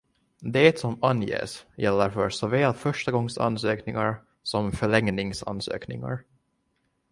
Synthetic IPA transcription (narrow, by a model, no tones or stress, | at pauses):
d̪ɛːt̪sɔmanjḛːsjɛlːəɾfœɾsoːvɛːlfœʂʈaɡɔŋsa̰nsøːknɪŋaɾ | sɔmfœɭɛŋnɪŋsa̰nsø̰ːknɪŋa̰ɾ